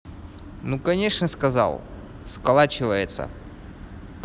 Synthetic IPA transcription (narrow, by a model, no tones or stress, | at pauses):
nukɐnʲe̞ʂnəskɐza̰lˠ | skɐlˠat͡ɕɪvəjɪt̪sə̰